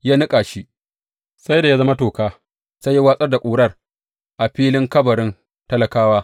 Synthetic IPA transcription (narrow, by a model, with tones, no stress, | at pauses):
jaː˦nɪ˦kʼaː˨ʃi˦ʔ | sa˦jda˨ja˦zɐ˦ma˦toː˨kaː˦ | sa˦jːa˦waː˦sʼɐ˦rda˨kʷʼuː˨ɽɐ˦r | ʔa˨ɸiː˦lɪ˦ŋkɐ˦bɐ˨ɾɪ˦n | tɐ˦lɐ˨kaː˦waː˦